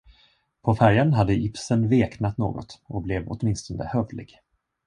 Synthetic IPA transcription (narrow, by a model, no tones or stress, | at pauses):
pʰɔfæɾjanɦad̪ːəʔɪpsənveːknat̪no̰ːɡɔ̰t̪ɔblɛvɔ̰t̪mɪnst̪ɔnd̪ə̰hœvlɪ̰ɡ̥